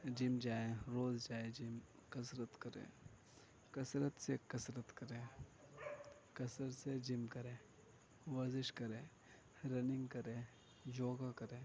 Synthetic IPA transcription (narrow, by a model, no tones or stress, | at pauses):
d͡ʒɪmd͡ʒaːeɾoːzd͡ʒaːed͡ʒɪm | kɐsɾət̪kɐɾḛ̃ː | kɐsɾət̪sekɐsɾət̪kɐɾẽː | kɐsəɾsed͡ʒɪmkɐɾẽː | ʋɐzɪʃkɐɾẽː | ɾɐnɪ̃ŋɡkɐɾẽː | d͡ʒoːɡakɐɾẽː